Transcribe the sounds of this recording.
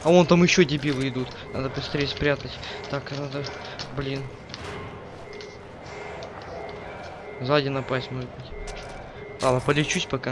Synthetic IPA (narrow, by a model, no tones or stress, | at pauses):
ɐo̞nt̪amjɪɕːodʲɪbʲilˠɨɪd̪ut̪ | na̰d̪əpɾʲɪst̪ɾʲespɾʲat̪ətʲt̪aknad̪ə | blʲin | zadʲɪnɐpasʲtʲmo̞ʐɨt̪̚bɨtʲ | lˠad̪nəpəlʲɪt͡ɕusʲpɐka